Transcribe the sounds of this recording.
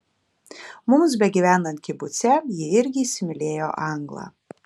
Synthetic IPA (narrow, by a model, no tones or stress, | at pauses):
mʊms̬bʲɛɡʲiʋʲæːnɐnt̪̚ʲkʲɪbʊt̪sʲɛjɪɪɾʲɡʲɪiːsʲɪmʲɪlʲeːjoʔɑŋɡlˠɑ̰